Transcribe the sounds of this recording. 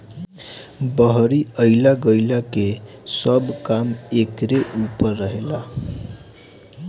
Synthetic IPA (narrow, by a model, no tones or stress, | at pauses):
bəɦɾiəɪlaɡəjlake | səbkamekɾeʔupəɾːəɦela